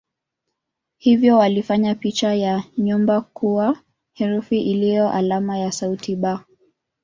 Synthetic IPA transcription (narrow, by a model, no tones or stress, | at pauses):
hivjɔwalifaɲapit͡ʃajaɲumbakuwa | hɛɾufiʔilijɔʔalamajasautʰiɓa